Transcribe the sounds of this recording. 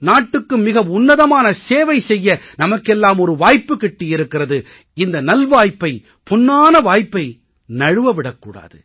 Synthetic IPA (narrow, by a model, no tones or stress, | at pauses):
naːʈːɯkːɯmɪɣɐʊnːɐðɐmaːnɐseːʋɐɪsɛjːɐnɐmɐkːɛlːaːmɔɾɯʋaːjpːɯkːɛʈːɪjɪɾɯkːɪrɐðɯ | ɪnd̪ɐnɐlʋaːjpːɐɪ | pʊnːaːnɐʋaːjpːɐɪ | nɐɻɯʋɐʋɪɽɐkːṵːɽa̰ːðɯ